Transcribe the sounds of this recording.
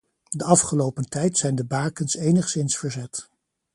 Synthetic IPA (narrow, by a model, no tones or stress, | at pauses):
dəɑfχəlowpəntɛjtsɛjndəbaːkənsejnəχsɪnsfəɹzɛt